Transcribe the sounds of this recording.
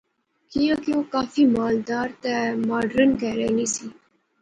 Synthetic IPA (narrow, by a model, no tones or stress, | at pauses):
kijãkjõːkaːfimaːld̪aːɾt̪emaːɖɾənkɛːɾenisiː